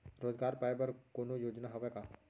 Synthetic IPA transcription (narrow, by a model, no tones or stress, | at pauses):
ɾoːzɡaːɾpajbəɾkoːnojoːd͡ʒnaɦɐʋeka